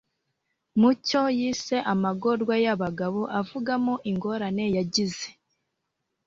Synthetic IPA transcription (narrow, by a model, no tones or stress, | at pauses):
muco̞jiːse̞ʔamaɡo̞ɾɡwajaβaɡaβoʔavuɡamoʔiŋɡo̞ɾane̞jaɟize̞̥